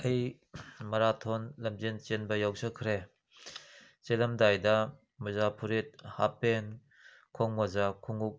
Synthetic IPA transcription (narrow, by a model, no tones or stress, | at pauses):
ɐj | mɐɾatʰɔnlɐmzent͡ʃenbɐjawsəkʰɾe | t͡ʃelɐmdajdɐ | mɐzapʰuɾit̚ha̰pen | kʰɔŋmɐzakʰuŋuk̚